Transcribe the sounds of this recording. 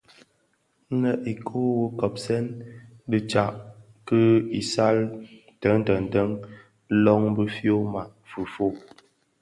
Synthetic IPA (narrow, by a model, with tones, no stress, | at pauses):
nə˨ʔi˨kʰo˦wə˦kɔ˨p̚sɛ˦n | bə˦t͡ʃa˨ʔ | kə˦i˨sa˦l | tə˨˦ŋ̩˦tə˨n˨tə˦ŋ˦ | lɔ˦ŋbə˦fjo˦ma˨ʔ | fu˨fo˦˨